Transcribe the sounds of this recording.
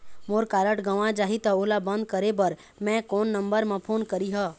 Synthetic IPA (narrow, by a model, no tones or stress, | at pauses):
moːɾkaːɾəʈɡəʋãd͡ʒaːɦit̪ɐoːlabə̃nd̪̚kəɾebəɾ | mɛ̃kɔːnːə̃mbəɾmẽpʰoːnkəɾiɦəː